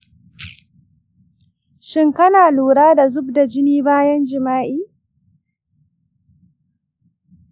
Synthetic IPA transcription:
ʃɪ˦ŋkɐ˦naː˨luː˨ɽaː˦da˨zʊ˦bda˨d͡ʒɪ˦niː˦baː˦jɐ˦nd͡ʒɪ˨maː˦ʔiː˦

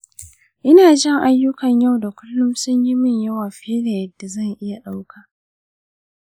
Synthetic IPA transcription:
ʔɪ˦naː˨d͡ʒɛ˦˨ŋʔa˦jːʊ˦kɐ˨ɲja˦wda˨kʷʊ˦lːʊ˦msʊ˦ɲjɪ˦mɪ˨ɲjɐ˦waː˨ɸeː˦da˨jɐ˨dːa˨zɐ˦˨ŋʔɪ˦ja˨ɗa˦wkʰaː˨

